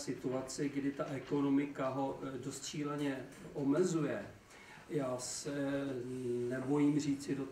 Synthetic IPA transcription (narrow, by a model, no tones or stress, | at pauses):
sɪt̪uat͡sɪɡdɪt̪aʔɛko̞no̞mɪkaɦo̞do̞st̪ʃiːlɛɲɛʔo̞mɛzujɛ | jaːsɛ | nɛbo̞jimr̝iːt͡sɪdot̪